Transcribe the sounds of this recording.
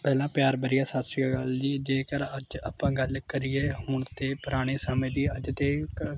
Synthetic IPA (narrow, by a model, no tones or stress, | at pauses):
pɛːlãːpjaːɾbəɾɪjaːsasɪjaːɡəld̪iːd͡ʒeːkəɾəd͡ʒəpãːɡəlkəɾɪeːɦoːɳt̪eːpəɾaːɽ̃eːsəmẽːd̪iːəd͡ʒt̪eː